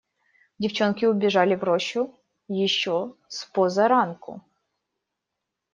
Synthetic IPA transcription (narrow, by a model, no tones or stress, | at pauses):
dʲɪft͡ɕonkʲɪʊbʲɪʐalʲɪvɾoɕːʊ | jɪɕːospozɐɾankʊ̰